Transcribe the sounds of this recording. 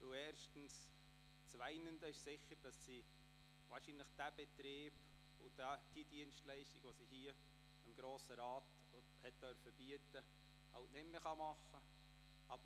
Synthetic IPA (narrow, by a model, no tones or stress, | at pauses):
ɪlɛːɾʃtn̩s | t͡sʋæɪnənd̥əɪʃsɪxːəɾd̥ɑssi | vɑːɾʃinlɪχd̥æb̥ɛtɾeːb | ʊd̥æd̥id̥iənstlæɪʃtiɡ̥ʋosihiːə | ɪmɡ̥ɾoːsəɾɑːt | hɛt̚d̥œɾfəbiətə | hɑltnɪtmeχɑmɑχə | ʔɑbə